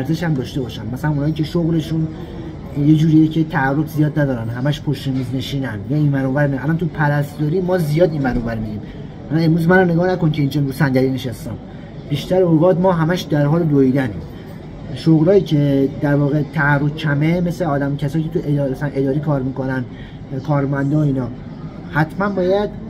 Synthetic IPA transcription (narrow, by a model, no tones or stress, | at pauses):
æɾze̞ʃæmd̪ɒːʃt̪e̞bɒːʃænmæsælænunhːicʰeʃoɣɾe̞ʃun | je̞d͡ʒuːɾijecʰet̪ʰæːrːofzijɒːd̪næd̪ɒːɾænɦæmæʃpʰoʃt̪emiːzne̞ʃiːnænjɒːinvænoːvæɾmiænʔælɒnt̪ʰupʰæɾæst̪d̪ɒːɾiːmɒːzijɒːd̪inmænovæɾmidiːm | ælɒne̞mɾuːzmænoneɡɒːhnækoncʰe̞iːnd͡ʒenɾuːsænɟ̪æɾiːneʃæst̪æn | b̥iːʃt̪æɾoɣɒːd̪mɒːɦæmæʃd̪æɾɦɒːled̪oid̪ænḭːm | ʃoɣɾɒːjiːcʰe̞d̪æɾvɒːɣe̞t̪ʰæærːofcʰæmeme̞seɒːd̪æmcʰæsɒːjicet̪ʰuʔeæsæænʔed̪ɒːɾiːkʰɒːɾmiːko̞næn | kʰɒːɾmænd̪ɒːiːnɒː | hæt̪ʰmænbɒːjæd̪